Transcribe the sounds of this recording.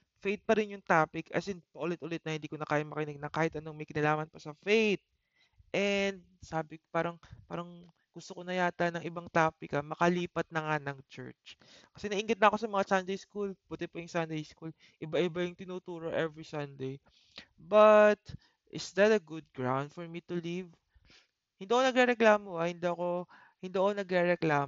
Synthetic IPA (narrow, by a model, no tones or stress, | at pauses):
fejt̪̚pɐɾɪnjʊŋt̪aːpɪkɐ̰sɪnpɐʔʊlɛt̪ʔʊlɪt̪nɐhɪnd̪iːkonɐkaːjamɐkɪnɪɡ̚nɐkaːhɪt̪̚ʔɐnoŋmɐjkɪnɐlaːmɐnpɐsɐfejt̪̚ | ʔɛnd̪̚saːbɪkpaːɾɐŋpaːɾɐŋ | ɡ̥ʊst̪oko̞nɐjaːt̪ɐnɐŋʔɪbaŋt̪aːpɪkɐmɐkɐliːpɐt̪̚nɐŋanɐŋt͡ʃɛ̰ɹt͡ʃkɐ̥sɛnɐʔiŋɡɪt̪nɐʔɐko̞sɐmɐŋasɐnd̪ejskulput̪ɛpɐjʊŋsand̪ejskul | ʔɪbaʔɪbajʊŋt̪ɪnuːt̪uːɾoʔɛvɹisɐnd̪ej | bɐt̪ | ʔɪsd̪ɐt̪ɐɡʊd̪̚ɡɹawnd̪fɔɹmit̪ʊliv | hɪnd̪iːʔɐkonɐɡɾɛɾɛklaːmoahɪnd̪oɐko̞ | hɪnd̪iʔɐkonɐɡɾɛɾɛklaːm